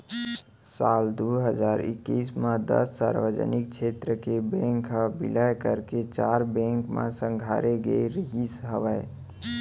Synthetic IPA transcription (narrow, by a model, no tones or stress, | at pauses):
sald̪uɦəd͡ʒaɾḭkːismãd̪ə̰sːaɾʋəd͡ʒə̰nik̚t͡ʃʰet̪ɾəkebẽŋkɦəbḭləjkəɾket͡ʃaɾbẽŋkmã̰sə̃ŋɡʱaɾeɡḛiɾiɦisɦəʋə